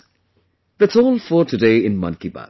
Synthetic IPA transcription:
ðætsɔːlˠfətʰɨdeɪɪ̃nmʌ̰̃nkiba̰

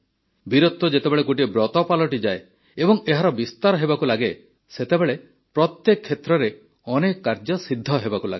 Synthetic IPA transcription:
biɾot̪ːɔd͡ʒet̪ebeɭekuʈ̬ibɾɔt̪ɔpalɔʈid͡ʒae | ebɔŋeɦaɾɔbist̪aɾɔɦebakulaɡe | set̪ebeɭe | pɾɔt̪jekʰːet̪ɾɔɾe | ɔnekɔkːaɾd͡ʒɔsid̪ʱːɔɦebakula̰ɡe

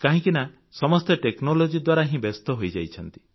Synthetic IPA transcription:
kaɦĩkina | sɔmɔst̪eʈeknolod͡ʒid̪waɾaɦĩbest̪ɔɦojd͡ʒajt͡ʃʰɔnt̪i̥

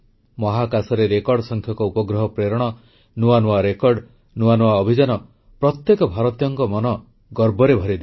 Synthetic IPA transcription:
mɔɦakasɔɾeɾekɔɾɖsɔŋkʰjɔŋkɔupɔɡɾɔɦɔpɾeɾɔɽ̃ɔ | nuanuwaɾekɔɾɖ | nuwanuaɔbʱid͡ʒanɔ | pɾɔt̪jekɔbʱaɾɔt̪jɔŋkɔmɔnɔ | ɡɔɾbɔɾebʱɔɾid̪e

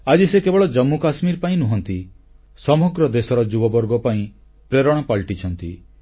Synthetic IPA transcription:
ad͡ʒisekebɔɭɔd͡ʒɔmːukasmiɾpaĩnuɦɔnt̪i | sɔmɔɡɾɔd̪esɔɾɔd͡ʒubɔbɔɾɡɔpaĩ | pɾeɾɔɽ̃ɔpaɭʈit͡ʃʰɔnt̪i

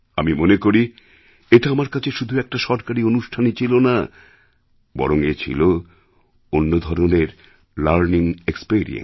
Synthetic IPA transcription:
amimonekoɾi | eʈaamaɾkat͡ɕʰeʃud̪ʱuɛk̚ʈaʃɔɾkaɾionuʃʈʰanet͡ɕʰilona | bɔ̰ɾoŋet͡ɕʰḭlo | onːod̪ʱɔɾoneɾ | laɾniŋekspiɾḭḛn

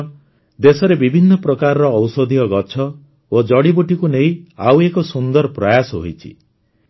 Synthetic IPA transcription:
d̪esɔɾebibʱinːɔpɾɔkaɾɔɾɔːwsɔd̪ʱiɔɡɔt͡ʃʰɔ | od͡ʒɔɽibuʈikuneĩa̰wekɔsund̪ɔɾpɾajasɔɦo̰jt͡ʃʰḭ

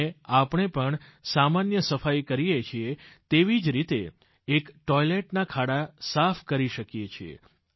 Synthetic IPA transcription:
eapəɳepəɳsamanjəsəfajkəɾijet͡ʃʰiet̪eʋid͡ʒɾit̪eː | kʈɔjleʈnakʰaɽasafʰkəɾiʃəkjet͡ʃʰiḛ

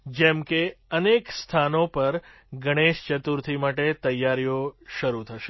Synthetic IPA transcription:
d͡ʒɛmkeənekst̪ʰanopəɾ | ɡʱəɽ̃eʃt͡ʃət̪uɾt̪ʰimaʈet̪əjːaɾijoʃəɾut̪ʰəʃe

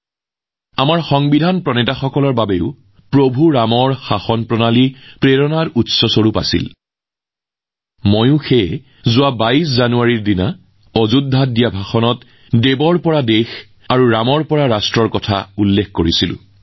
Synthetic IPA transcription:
amaɹxɔŋbidʱanpɹɔnɛtaxɔkɔlɔɹbabeʊ | pɹobʱuɹamɔɹxaxɔnpɹɔnalipɹeɹɔnaɹutsɔsoɹupa̰sḭl | mojʊ̃xe | zʊwabaiszanuaɹiɹdina | ɔzudʱːat̚dijabʱaxɔnɔt | debɔɹpɔɹadex | aɹuɹamɔɹpɔɹaɹastɹɔɹkɔtʰa̰ulːekːkoɹisilʊ̰̃

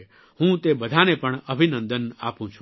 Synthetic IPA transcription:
hũt̪ebəd̪ʱanepəɳəbʱinə̃nd̪əna̰pũt͡ʃʰũ̥

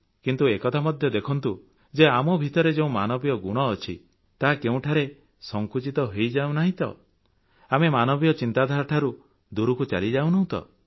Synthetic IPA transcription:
kint̪uekɔt̪ʰamɔd̪ʱjɔd̪ekʰɔnt̪u | d͡ʒeamɔbʱit̪ɔɾed͡ʒeũmanɔbijɔɡuɽ̃ɔːt͡ʃʰḭ | t̪aɦakeũʈʰaɾe | sɔŋkut͡ʃit̪ɔɦejd͡ʒaw̃naɦĩt̪ɔ̰ | amemanɔbijɔt͡ʃint̪ad̪ʱaɾʈʰaɾu | d̪uɾukut͡ʃa̰lid͡ʒaw̃nɔɦũt̪ɔ̰

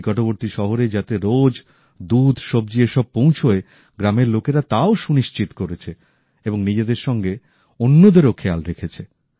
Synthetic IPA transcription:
kɔʈoboɾt̪iʃɔɦoɾed͡ʑat̪eɾod͡ʑ | d̪ud̪ʱʃob̚d͡ʑieʃɔb̚põw̃t͡ɕʰoe | ɡɾameɾlokeɾat̪aoʃuniʃt͡ɕit̪koɾet͡ɕʰe | eboŋnid͡ʑed̪eɾʃɔŋɡe | onːod̪eɾokʰealɾekʰet͡ɕʰe

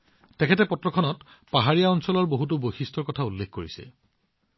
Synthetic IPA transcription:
tɛkʰɛtɛpɔtɹɔkʰɔnɔt | paɦaɹijaɔnsɔlɔɹboɦut̬ubojxistʰɔɹkɔtʰaulːekkoɹisɛ̰

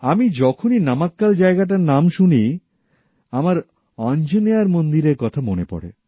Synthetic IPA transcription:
amid͡ʑɔkʰoninamakːald͡ʑaeɡaʈ̬aɾnamʃuni | amaɾ | ɔnd͡ʑoneaɾmond̪iɾeɾkɔt̪ʰamonepɔ̰ɽḛ

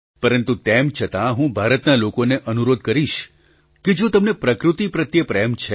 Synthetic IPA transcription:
pəɾənt̪ut̪emt͡ʃʰət̪ãɦũbʱaɾət̪nalokoneʔənuɾod̪̚kəɾiʃ | ked͡ʒot̪əmnepɾəkɾut̪ipɾət̪jəpɾɛmt͡ʃʰe

